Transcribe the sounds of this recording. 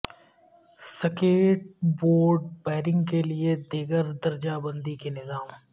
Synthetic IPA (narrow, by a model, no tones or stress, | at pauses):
sɐkeːʈ̚boːɾɖbaːɾɪ̃ŋɡkelied̪eːɡəɾd̪ɐɾd͡ʒabə̃nd̪ikenɪzaːm